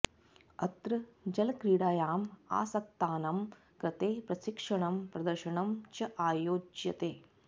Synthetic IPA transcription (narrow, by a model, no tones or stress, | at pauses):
ɐt̪ɾɐd͡ʒɐlɐkɾiːɽaːjaːma̰ːsɐk̚t̪aːnɐm | kɾɐt̪eːpɾɐʃikʂɐɳɐmpɾɐd̪ɐɾʃɐɳɐmt͡ʃɐʔaːjoːd͡ʒjɐt̪eː